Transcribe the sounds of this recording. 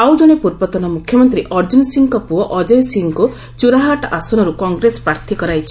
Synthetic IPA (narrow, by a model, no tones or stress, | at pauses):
awd͡ʒɔɽ̃epuɾbɔt̪ɔnɔmukʰjɔmɔnt̪ɾiʔɔɾd͡ʒunsiŋkɔpuɔʔɔd͡ʒɔjsiŋku | t͡ʃuɾaɦaʈasɔñɔɾukɔŋɡɾesɔ̥pɾaɾt̪ʰikɔɾajt͡ʃʰi̥